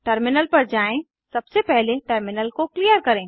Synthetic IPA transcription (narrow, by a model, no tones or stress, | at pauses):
ʈəɾmɪnəlpɐɾd͡ʒaːẽ | sɐbsepɛɦleʈəɾmɪnəlkoklijəɾkɐɾẽː